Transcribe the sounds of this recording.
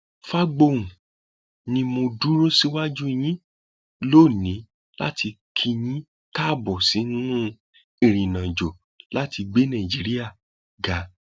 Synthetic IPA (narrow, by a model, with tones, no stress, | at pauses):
fa˦ɡ͡bo˧ũ˨ | nĩ˧mõ˧du˦ɾo˦si˦wa˦d͡ʒu˦˧j̃ĩ˦ | loː˦˨nĩ˨˦ | la̰˦tʰi˧kʰi˧j̃ĩ˦ | ta˦˨bɔ˨si˨˦n˦nũ˦ | i˦˨ɾ̃ĩ˨nã˨d͡ʒo˨ | la˦ti˧ɡ͡be˦nã˨d͡ʒi˨˦ɾi˦a˦˨ | ɡa˨˦